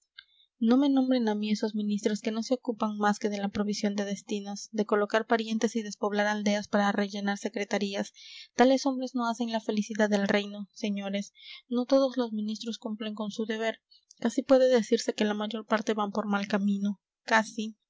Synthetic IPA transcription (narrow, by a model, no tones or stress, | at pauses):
no̞me̞nõ̞mbɾe̞namie̞so̞zmĩnist̪ɾo̞ske̞no̞se̞okupaŋmaske̞ð̞e̞lapɾo̞β̞isjo̞nd̪e̞ð̞e̞st̪inosd̪e̞ko̞lo̞kaɾpaɾje̞nt̪e̞siðe̞spo̞βlaɾald̪e̞aspaɾare̞ʝe̞naɾse̞kɾe̞t̪aɾiast̪ale̞so̞mbɾe̞zno̞ase̞nlafe̞lisiðaðe̞lre̞jno̞se̞ɲo̞ɾe̞sno̞t̪o̞ð̞o̞zlo̞zmĩnist̪ɾo̞skumple̞ŋko̞nsuðe̞β̞e̞ɾ | kasipwe̞ðe̞ðe̞siɾse̞ke̞lamaʝo̞ɾpaɾt̪e̞βampo̞ɾmalkamĩno̞ | kasi